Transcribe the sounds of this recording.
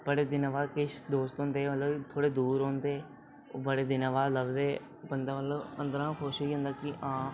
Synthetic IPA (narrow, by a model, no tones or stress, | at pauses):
bəɽeːd̪ɪnaʋaːkɪʃd̪oːst̪ɦõːnd̪eːət̪ləbt̪ʰoːɽeːd̪uːɾɦõːnd̪eː | bəɽeːd̪ɪnãːʋaːləbd̪eː | bənd̪aːmət̪ləbə̃nd̪əɾãːnːkʰʊʃɦoiːɦʊ̃nd̪aːkɪʔãː